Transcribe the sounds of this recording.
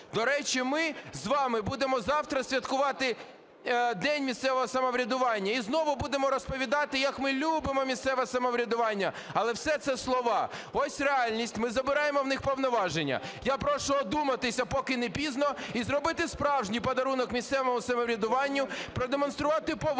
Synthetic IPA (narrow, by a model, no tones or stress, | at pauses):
d̪ɔɾɛt͡ʃimɪzʋɑmɪbud̪emɔzɑwt̪ɾɐsʲʋʲɐt̪kʊʋɑt̪ɪ | d̪ɛnʲmʲist̪sɛʋɔɦɔsɐmɔʋɾʲɐd̪ʊʋɑnʲːɐiznɔʋʊbud̪emɔɾɔspɔʋʲid̪ɑt̪ɪjɐkmɪlʲubɪmɔmʲist̪sɛʋɛsɐmɔʋɾʲɐd̪ʊʋɑnʲːɐ | ɐlˠɛwsɛt̪sɛslˠɔʋɑɔsʲreɑlʲnʲisʲtʲmɪzɐbɪɾɑjemɔwnɪxpɔwnɔʋɑʒenʲːɐ̰japɾɔʃʊːd̪umɐt̪ɪsʲɐpɔkɪnepʲiznɔizrɔbɪt̪ɪspɾɑwʒnʲijpɐd̪ɐɾunɔkmʲist̪sɛʋɔmʊsɐmɔʋɾʲɐd̪ʊʋɑnʲːʊpɾɔd̪emɔnst̪ɾʊʋɑt̪ɪpɔ